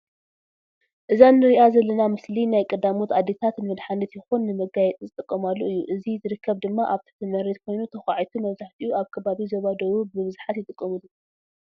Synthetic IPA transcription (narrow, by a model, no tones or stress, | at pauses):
ʔɨzanːɨɾiʔazɐlːɐnamɨslinajkʼɐd̪amot̪ad̪e̞t̪ʰat̪nɨmɐd̪ħanɐt̪jɪxunːɨmɐɡajɛt̪ʼzɨt̪ʼɨkʼːɐmalːoɨjːuʔɨzizɨɾɨkʰːɐβd̪ɨmːaʔaβt̪ʰi̥t̪ʰɨmɐɾet̪̚kʰo̞jnut̪ʰɐxaʕajt̪ʰumɐβzaħt̪ʰiʔuʔaβkʰɐβaβizoβad̪ɐwubɨβɨzħat̪jɪt̪ʼɨkʼːɐmɨlːu